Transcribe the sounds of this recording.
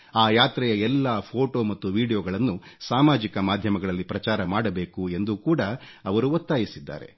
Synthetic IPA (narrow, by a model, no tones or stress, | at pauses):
aːjaːt̪ɾɛjɐɛlːaːpʰoːʈo̞ːmɐt̪ːuʋiːɽijoːɡɐɭɐnːusaːmaːd͡ʒikɐmaːd̪ʱjɐmɐɡɐɭɐlːipɾɐt͡ʃaːɾɐmaːɽɐbe̞ːkue̞nd̪ukuːɽɐ | ɐʋɐɾuot̪ːaːjisid̪ːa̰ːɾe̞̰